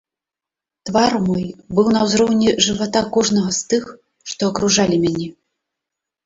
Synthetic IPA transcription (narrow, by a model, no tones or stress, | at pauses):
t̪varmɔjbɨwn̪ɐwzɾɔwnʲɛʐɨvat̪akɔʐnɐɣɐst̪ɨx | ʂt̪ɔːkɾuʐalʲimʲanʲɛ